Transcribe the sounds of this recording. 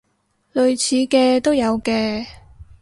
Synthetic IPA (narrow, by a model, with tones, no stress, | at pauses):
lɵ˨ɥt͡sʰiː˨˧kɛː˧t̪o˥wjɐ˨˧wkɛː˧